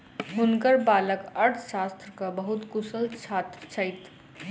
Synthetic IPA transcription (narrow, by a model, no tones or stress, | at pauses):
ɦʊnkəɾbaːləkɐɾʈ̪ʰʃaːst̪ɾkabɐɦʊt̪kʊsəlt͡ʃʰaːt̪ɾt͡ʃʰəɪt̪